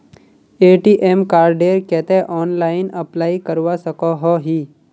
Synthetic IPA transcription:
eːʈiːʔemkaːɾɖeːɾkɛːt̪eʔɔːnlaːɪnəplaːikəɾʋasəkɔɦɔɦiː

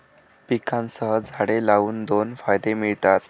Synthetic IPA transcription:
pikʰãnsəɦəd͡zʱaɽelauːnd̪onfajd̪emiɭt̪at̪

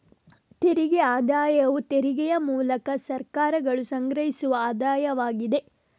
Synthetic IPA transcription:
t̪eɾiɡeaːd̪aːjɐʋut̪eɾiɡɛjɐmuːlɐkɐsɐɾkaːɾɐɡɐɭusɐŋɡɾɐɦisuʋɐaːd̪aːjɐʋaːɡid̪e̞

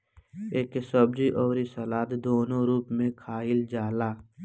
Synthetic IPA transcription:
eːksəbd͡ʒiʔɔːɾisəlaːt̪d̪oːnõɾuːpmẽkʰaːɪld͡ʒaːlaː

